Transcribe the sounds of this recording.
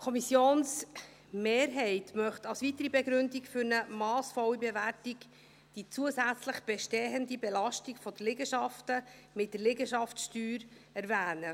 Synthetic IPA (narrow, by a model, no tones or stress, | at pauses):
kʰɔmisjoːns | meːɾɦɛɪtmœχtɑlsʋitəɾibɛɡɾʏndikfʏɾnəmɑːsfɔwibeværtik | d̥it͡suəsæt͡sləχb̥ɛʃteːəndibelɑʃtiɡfɔd̥əlɪɡəʃɑftə | mɪt̚d̥əɾlɪɡəʃɑftʃtyːɾɛɾvæːnə